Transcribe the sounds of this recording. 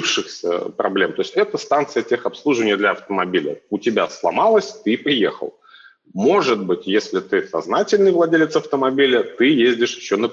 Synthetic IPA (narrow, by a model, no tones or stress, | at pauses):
fʂɨxsʲə̰pɾɐ̰blʲe̞mt̪o̞ɪsʲtʲɛt̪əst̪ant̪sɨjətʲexɐpslˠuʐɨvənʲɪjəd̪lʲɐɐft̪əmɐbʲilʲə̰ʊtʲɪbʲa̰slˠɐ̰malˠəsʲt̪ɨpɾʲɪjḛxə̰lˠ | mo̞ʐɨt̪̚bɨtʲjesʲlʲɪt̪ɨsɐ̰znatʲɪlʲnɨjvlˠɐdʲelʲɪt̪sɐft̪əmɐbʲilʲət̪ɨjezʲdʲɪʂjɪɕːonə